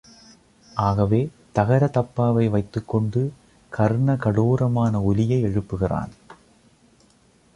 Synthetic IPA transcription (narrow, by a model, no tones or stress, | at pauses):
ʔaːɣɐʋeː | t̪ɐɣɐɾɐt̪ɐpːaːʋɐɪʋɐɪt̪ːɯkːɔɳɖɯ | kɐɾɯɳɐkɐɽuːɾɐmaːnɐʊlɪjɐɪɛɻɯpːɯɣɪra̰ːn